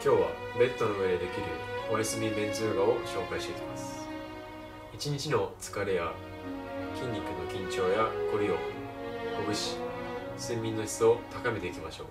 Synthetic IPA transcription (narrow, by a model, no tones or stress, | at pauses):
kʲo̞ːβa̰be̞t̪ːo̞no̞ɯ̟e̞d̪ed̪e̞kʲiɾɯ̟̰oɾʲisɨmʲib̪ẽ̞nt͡sɨːɡao̞ɕo̞ːkaiɕt̪e̞ikʲimasɨ̥ | it͡ɕiɲ̟it͡ɕino̞t͡sɨ̥kaɾe̞ja | kʲĩɲ̟ːikːɯ̟no̞kʲĩɲ̟t͡ɕo̞ːjako̞ɾʲiokoɡɯ̟ɕi̥sɨ̃mʲːĩnːo̞çi̥t͡sɨo̞t̪akame̞t̪e̞ikʲimaɕo̞̰ː